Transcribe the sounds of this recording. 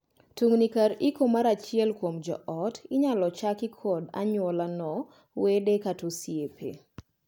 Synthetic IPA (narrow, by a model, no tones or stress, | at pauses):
tuŋnikaɾikomaɾat͡ʃɪɛlkwomd͡ʒɔ̰ʔɔtɪɲalɔt͡ʃakɪkʰɔda̰ɲwɔlanɔ | wedekatosjepḛ